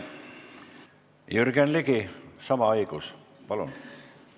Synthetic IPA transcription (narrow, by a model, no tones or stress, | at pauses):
jyrɡ̥enliɡ̥isɑmɑɑjɡ̥us | pɑlṵn